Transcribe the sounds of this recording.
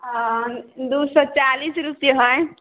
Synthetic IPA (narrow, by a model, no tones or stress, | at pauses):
d̪uːsɔt͡ʃaːliːsɾʊpjeɦɔe